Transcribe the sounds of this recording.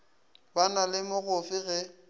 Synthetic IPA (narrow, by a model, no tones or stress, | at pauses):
banalɪmʊɣʊfɪɣɛ